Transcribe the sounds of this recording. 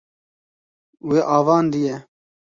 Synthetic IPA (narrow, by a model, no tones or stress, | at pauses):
weːʔɑːvɑːnd̪ijɛ